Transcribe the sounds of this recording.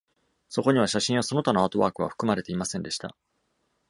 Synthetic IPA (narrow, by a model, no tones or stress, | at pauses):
so̞ko̞ɲ̟iβ̞aɕaɕĩɰ̃aso̞no̞t̪anoat̪o̞βa̰ːkɯ̟βa̰ɸɯ̟̥kɯ̟maɾe̞t̪e̞imasẽ̞nd̪e̞ɕi̥t̪a̰